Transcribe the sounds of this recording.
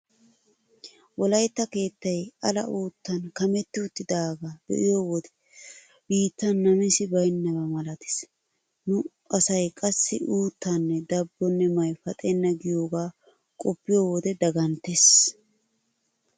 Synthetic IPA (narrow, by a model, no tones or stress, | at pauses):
wɔlɐjt̪ːɐke̞ːt̪ːɐjɐlɐ̰ʔuːt̪ːɐnkɐmɛt̪ːɪʊt̪ːɪd̪aːɡaːd̪̥ɛ̰ʔɪjoːwɔd̪ɛ̥ | b̥iːt̪ːɐnːɐmɪsɪbɐjnːɐbɐmɐlɐt̪ɪ̥s | nʊ | ɐsɐjkʼɐsːɪʔuːt̪ːɐnːɛd̪ɐbːɔnːɛmɐjfɐt̪ʼenːɐɡɪjo̞ːɡaː | kʼɔpːɪjoːwɔd̪ɛd̪ɐɡɐnt̪es